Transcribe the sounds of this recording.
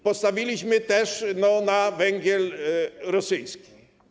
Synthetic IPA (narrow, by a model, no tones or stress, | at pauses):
pɔst̪avʲilʲiɕmɘt̪ɛʂnɔnavɛŋɡʲjɛlɾɔsɘjskʲi̥